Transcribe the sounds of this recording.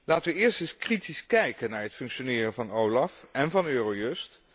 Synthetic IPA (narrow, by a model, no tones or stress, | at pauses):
laːtəʋəɪːɹstənskritiskɛjkənaːɹɦətfɵŋkʃonɪːrənvɑnowlɑfɛnvɑnøːrojɵst